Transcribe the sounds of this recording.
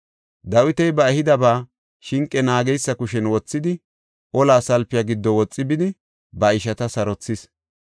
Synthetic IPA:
d̪ɐwɪt̪ɛjbɐɛhɪd̪ɐbaː | ʃɪŋkʼːɛnaːɡɛjsːɐkʊʃɛnwɔt͡sːɪd̪ɪ | ʔɔlaːsɐlpːɪjaɡɪd̪ːɔwɔt͡sʼːɪbɪd̪ɪ | bɐɪʃɐt̪ɐsɐɾɔt͡sːɪs

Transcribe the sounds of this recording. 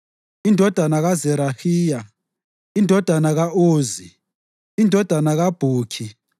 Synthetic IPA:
indʱɔd̥ʱanaɣazɛɾahiːja | indʱɔd̥ʱanaɣaʔoːzi | indʱɔd̥ʱanaɣab̥ʱuːkʰi

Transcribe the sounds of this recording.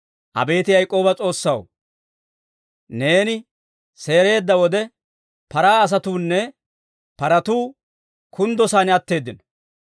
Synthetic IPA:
ʔɐ̰be̞ːt̪ɪjɐjkʼːo̞ːbɐt͡sʼo̞ːsːɐw | ne̞ːnɪ | se̞ːɾe̞ːd̪ːɐwɔd̪ɛ | pɐɾaːɐs̬ɐt̪uːnːɛ | pɐɾɐt̪uː | kʰʊnd̪ɔsaːnɪɐt̪ːe̞ːd̪ːɪnɔ̥

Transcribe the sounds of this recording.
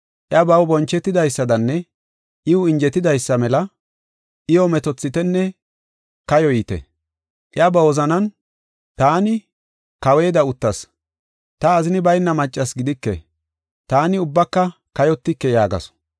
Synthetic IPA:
ʔɪɐbɐwbɔnt͡ʃːɛt̪ːɪd̪ɐjsːɐd̪ɐnːɛ | ʔɪʊɪnd͡ʒɛt̪ːɪd̪ɐjsːɐmɛlɐ | ʔɪjɔmɛt̪ɔt͡sːɪt̪ɛnːɛ | kɐjɔjiːt̪ɛ̰ | ʔɪɐbɐwɔzɐnɐn | t̪aːnɪ | kɐwe̞ːd̪ɐʊt̪ːɐs | t̪ɐːzɪnɪbɐjnːɐmɐt͡ʃʼːɐsɡɪd̪ɪkːɛ̰ | t̪aːnɪʊbːɐkːɐkɐjɔt̪ːɪkːɛjaːɡɐ̰s

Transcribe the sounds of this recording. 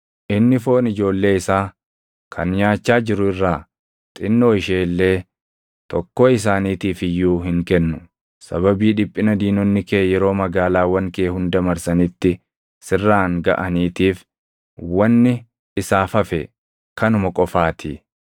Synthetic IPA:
ʔɪnːɪfo̞ːnɪd͡ʒo̞ːlːe̞ːɪsaː | kʰɐnɲaːt͡ʃːaːd͡ʒɪɾʊɪrːaː | t̪ʼɪnːo̞ːɪʃeːlːe̞ː | t̪ɔkːoːɪs̬aːniːt̪iːfɪjːuːɦɪŋkɛnːʊ | sɐβɐbiːᶑɪpʼːɪnɐd̪iːnɔnːɪkeːjɛɾo̞ːmɐɡaːlaːwɐŋkeːhʊnd̪ɐmɐɾsɐnɪt̪ːɪ | sɪrːaːŋɡɐ̰ʔɐniːt̪iːf | wɐnːɪ | ɪsaːfɐfɛ | kɐnʊmɐkʼɔfaːt̪ʰḭ

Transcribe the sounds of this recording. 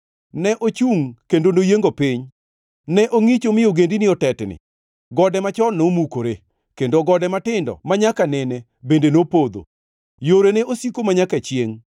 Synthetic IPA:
nɛʔot͡ʃuŋkendonojeŋɡopɪɲ | nɛʔoŋit͡ʃomɪoɡendinɪɔtɛtnɪ̰ | ɡɔdɛmat͡ʃɔnomukoɾe | kendoɡɔdɛmatɪndɔ̰maɲakanɛne | bendenopod̪o̰ | joɾeneosikomaɲakat͡ʃjeŋ

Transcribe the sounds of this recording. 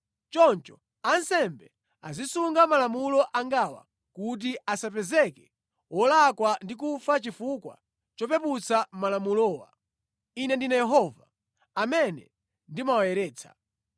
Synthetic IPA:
t͡ʃɔnt͡ʃɔ̥ | ansɛmbɛ | a̰zisuŋɡamalamulɔʔaŋɡawa̰ | kut̬iasapɛzɛkɛ̥ | wɔlakwandik̬ufat͡ʃifukwa̰ | t͡ʃɔpɛput͡samalamulɔːwa̰ | inɛndinajɛɦɔva | amɛnɛ | ndimawajɛɾɛːt͡sʰḁ̰

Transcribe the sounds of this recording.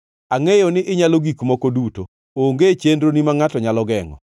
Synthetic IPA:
aŋejonɪʔɪɲaloɡikmɔkoduto | oŋɡet͡ʃendɾonimaŋatɔɲalɔɡɛŋɔ̰

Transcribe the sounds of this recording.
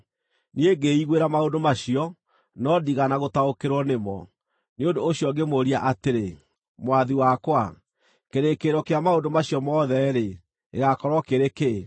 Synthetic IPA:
nieɡeiɣweɾamaondomaɕiɔ | nɔdiɣanaɣotaokeɾwɔnemɔ̰ | neondoːɕjɔŋɡemoɾiaʔateɾe | mwaðiwakwa | keɾekeɾɔkeamaondomaɕiɔmɔðɛɾe | ḛɣakɔɾwɔkeɾeke

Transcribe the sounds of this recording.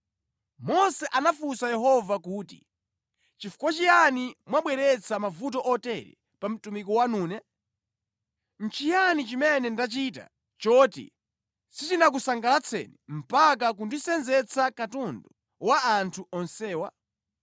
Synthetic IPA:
mɔsɛʔanafusajɛɦɔvakuːti̥̰ | t͡ʃifu̥kwat͡ʃijanimwaɓwɛɾɛt͡sʰamavut̬ɔʔɔtɛɾɛ̰ | pam̩tumikɔwanuːnɛ | n̩t͡ʃijanit͡ʃimɛnɛndat͡ʃita̰ | t͡ʃɔtḭ | sitinak̬usaŋɡalat͡sʰɛ̰nɛm̩pakak̬undisɛnzɛt͡sakatɔndɔ | waːntʰuɔnsɛːwa

